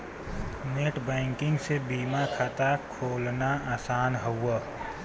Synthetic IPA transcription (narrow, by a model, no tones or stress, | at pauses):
neːʈbɛ̃ːŋkɪ̃ŋɡsebiːmakʰat̪akʰoːlnaaːsaːnɦəwːə